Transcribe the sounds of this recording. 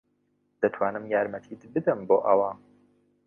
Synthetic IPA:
d̪̥ɐt̪ʰwaːnɨmjaːɾmɐt̪ʰit̪ʰbɨd̪ɨmboːʔɐwaː

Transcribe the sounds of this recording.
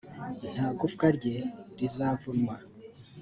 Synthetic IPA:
n̥haːɡufkaɾɟeɾizaːvunmwa

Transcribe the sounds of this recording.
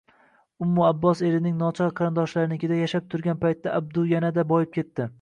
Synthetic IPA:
ʊmːʊabːɒse̞ɾɪnɪŋnɒt͡ʃʰɒqʰɑɾɪnd̪ɒʃlaɾɪnɪkʲʰɪd̪ajaʃap̚t̪ʰʊɾɡʲanpajt̪ːaʔab̚d̪ʊjanad̪abɒjɪp̚kʲʰe̞t̪ːɪ

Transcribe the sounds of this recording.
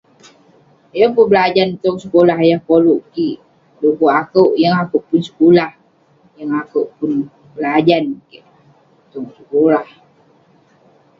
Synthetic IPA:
jaŋpunbəlad͡ʒant̪ɔŋsəkolaɦjahkoluʔki | lukoʔakəwʔjəŋakowʔpunsə̥kolah | jaŋakəwʔpʊn | bəlad͡ʒankɛʔ | t̪ɔŋsəkolah

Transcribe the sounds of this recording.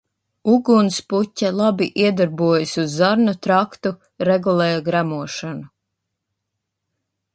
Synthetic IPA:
uɡunsputʲːalˠabiʔiɛd̪aɾbuɔjasuzːaɾnut̪ɾakt̪u | ɾɛɡulˠɛːjaɡɾæmuɔʃanu

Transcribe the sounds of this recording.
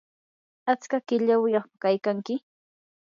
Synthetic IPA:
at͡skakɪʎawɪjɑχpakajkaŋkɪ

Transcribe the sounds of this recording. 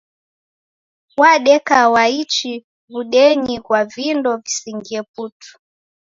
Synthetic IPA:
waɗɛkawait͡ʃi | βuɗɛɲikwavindɔvisiŋɡiɛp̚utu̥

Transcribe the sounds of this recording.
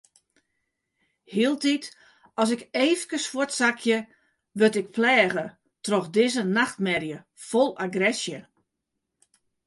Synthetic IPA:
hiəlˠtit | ɔs̬ɪkeːfkəswotsakʰjə | ʋøtɪk̚plɛːɣə | troxdɪzənaxtmɛrjə | folˠaɡrɛsjə

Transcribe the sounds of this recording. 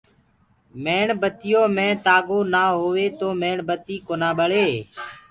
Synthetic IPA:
meːɳbət̪ɪjõːmẽːt̪aːɡoːnaːɦoːʋeːt̪oːmeːɳbət̪iːkoːnãːɓəɭeː

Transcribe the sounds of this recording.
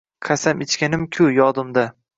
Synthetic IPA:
qʰasamɪt͡ʃkʲanɪmkʲʰʊjɒd̪ɪmd̪a

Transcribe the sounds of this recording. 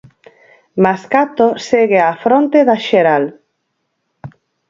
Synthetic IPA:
maskat̪oseɣeafɾont̪eðaʃeɾal

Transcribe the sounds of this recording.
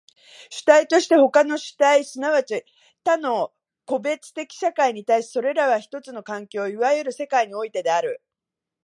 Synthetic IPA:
ɕɨ̥t̪ait̪o̞ɕi̥t̪e̞ho̞kano̞ɕɨ̥t̪aisɨnaβ̞at͡ɕi | t̪ano̞ | ko̞be̞t͡sɨ̥t̪e̞kʲi̥ɕakaiɲ̟it̪aiɕi̥so̞ɾe̞ɾaβaçi̥t̪o̞t͡sɨno̞kãŋkʲo̞ːiβajɯɾɯ̟se̞kaiɲ̟io̞it̪e̞d̪e̞aɾɯ̟

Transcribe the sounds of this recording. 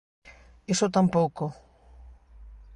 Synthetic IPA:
esot̪ampowko

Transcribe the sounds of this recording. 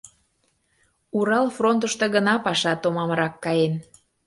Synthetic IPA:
uɾɑlfront̪̬əʃt̪ĕɣənɑpɑʃɑt̪omɑmɾɑkːɑjen

